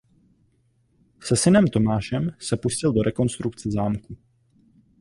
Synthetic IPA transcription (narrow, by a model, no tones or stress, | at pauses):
sɛsɪnɛmt̪o̞maːʃɛmsɛpuscɪldo̞ɾʔɛko̞nst̪ɾukt͡sɛzaːmku